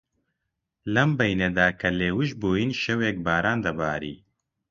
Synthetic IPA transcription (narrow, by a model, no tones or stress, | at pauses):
lɐmbɐjned̪aːkʰɐleːwɨʃboːjiːnʃɛwek̚baːɾaːnd̪ɐbaːɾḭː